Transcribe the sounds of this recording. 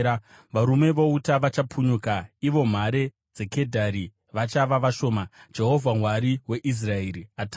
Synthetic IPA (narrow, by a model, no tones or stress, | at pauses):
ʋaɾume̞ʋoutaʋat͡ʃapʰuɲukaiʋo̞m̤aɾe̞ | d͡ze̞ke̞dʱaɾi | ʋat͡ʃaʋaʋaʃo̞ːmad͡ʒe̞ɦo̞vʱaŋwaɾiwe̞ʔis̬rae̞ɾiata